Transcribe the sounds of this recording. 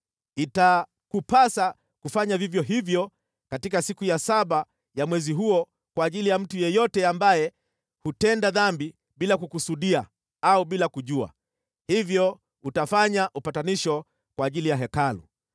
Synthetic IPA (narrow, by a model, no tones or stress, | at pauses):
ita | kupasa | kufaɲavivjɔɦivjɔ | katikasikujasaɓa | jamwɛziɦuɔ | kwaːʄilijam̩tujɛjɔtɛambajɛ | hutɛndaðambi | ɓilakukusuɗia | auɓilakuʄua̰ | hivjɔ | utafaɲaʔupataniʃɔ | kwaːʄilijaɦɛkalṵ